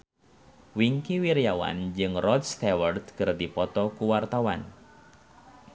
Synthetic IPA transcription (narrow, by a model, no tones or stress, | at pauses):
wiŋkiwiɾjawa̰nd͡ʒɨŋrɔd̪st̪ɛwərt̪kɨrd̪ipɔt̪ɔkuwart̪awa̰n